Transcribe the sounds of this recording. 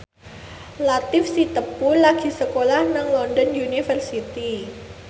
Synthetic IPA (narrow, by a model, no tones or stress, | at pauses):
lat̪ɪfsit̪əpulaɡ̥i̤səkolahnaŋlɔndɔnunifərsit̪i